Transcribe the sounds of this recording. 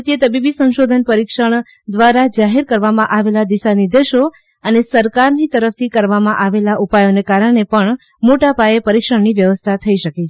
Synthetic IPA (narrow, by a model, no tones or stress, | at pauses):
ət̪ijət̪əbibisə̃ñʃod̪ʱənpəɾikʃəɳ | d̪ʋaɾad͡ʒaɦeɾkəɾʋamãʔaʋelad̪isanid̪eʃo | ənesəɾkaɾnit̪əɾəft̪ʰikəɾʋamãʔaʋelaʔupajonekaɾəɽ̃epəɳ | moʈapaepəɾikʃəɳniʋjəʋəst̪ʰat̪ʰəiʃəket͡ʃʰe